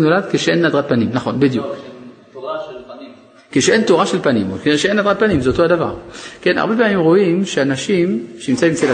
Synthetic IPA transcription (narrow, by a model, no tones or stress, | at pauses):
nolad̪keʃeʔenːad̪ʁat̚panimnaχo̞nbed̪jṵk | keʃeʔentoʁaʃelpanḭmokʃeenːadʁad̚panimzeot̪ohadava̰ʁkena̰ʁbe̞p̬eamimʁo̞ʔimʃeanaʃimʃeimt͡saĩmt͡sela